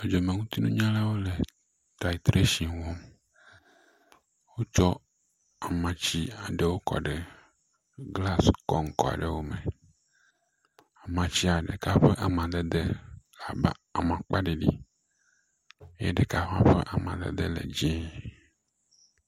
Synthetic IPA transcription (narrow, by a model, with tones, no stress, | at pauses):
e˨d͡ʒo˨me˨ŋũ˦t̪i˦nũ˦ɲã˦la˦wo˦le˨ | t̪a˨i˨t̪ɾe˦ʃi˨wɔ̃˦m | wo˦t͡ʃɔ˦ | a˨mã˨t͡ɕi˦a˨ɖe˦wo˦kɔ̰˨ɖe˨ | ɡla˦skɔ˦ŋ̩˦kɔ̰˨a̰˨ɖe˦wo˦mẽ˨ | a˨mã˨t͡ɕi˦a˨ɖḛ˨ka˦ɸe˦ʔa˨mã˨d̪e˦d̪e˦a˨ba̰˨a˨mã˨k͡pa˦ɖe˨ɖi˦ | e˦ḛ˦ɖe˨ka˨ɸã̰˦ɸḛ˦ʔa˨mã̰˨d̪ḛ˦d̪ḛ˦lḛ˨d͡ʑĩ˦˨